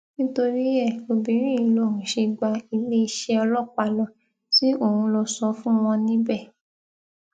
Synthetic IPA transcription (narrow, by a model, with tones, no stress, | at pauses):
nĩ˦to˧ɾi˦ɛ˦˨o˧bĩ˨˦ɾ̃ĩ˦i˧lo˦˨hũ˨ʃe˧ɡ͡ba˧i˧le˦i˧ʃɛ˧ɔ˧lɔ˦˨k͡pa˧lɔ˧ | si˦o˦˨hũ˧lɔ˧sɔ˧˦fũ˦w̃ɔ̃˧nĩ˦bɛ˦˨